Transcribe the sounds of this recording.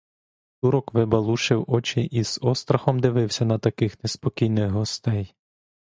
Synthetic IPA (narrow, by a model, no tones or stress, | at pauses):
t̪uɾɔkʋɪbɐlˠuʃɪwɔt͡ʃɪʔiz̥ɔst̪ɾɐxɔmd̪ɪʋɪwsʲɐnɐt̪ɐkɪxnespɔkʲijnɪɣɦɔst̪ɛj